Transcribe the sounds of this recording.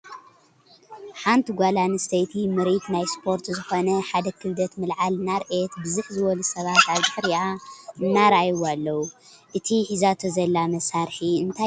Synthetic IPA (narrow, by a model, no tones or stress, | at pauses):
ħant̪ʰiɡʷalanɨst̪ʰɐjt̪ʰimɨɾit̪najspʰo̞ɾt̪zɨxo̞nɐħad̪ɐkʰɨld̪ɐt̪mɨlʕalɨnːaɾʔet̪bɨzɨħzɨwɔlusɐβat̪aβdɨħɾiaɨnːaɾajwalːɐwu | ʔɨt̪ʰiħizat̪ʰozɐlːamɐsaɾħiɨnt̪ʰa